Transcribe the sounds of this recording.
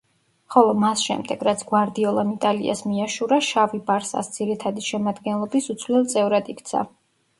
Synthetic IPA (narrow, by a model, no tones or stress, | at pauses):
χɔlˠɔmasʃɛ̰md̪ɛɡɾat̪sʰɡ̥waɾd̪iɔlˠamit̪ʼalḭa̰smiaʃuɾaʃavibaɾsa̰sd̪z̥iɾit̪ʰad̪iʃɛmad̪ɡɛnlˠɔbisut̪sʰlilˠt̪sʼɛvɾad̪ikʰt̪sʰa̰